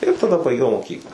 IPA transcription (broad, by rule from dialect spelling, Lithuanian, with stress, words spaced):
ɪr tɐˈdɐ bɐɪˈɡʲɛʊ moːˈkʲiːklˠɐ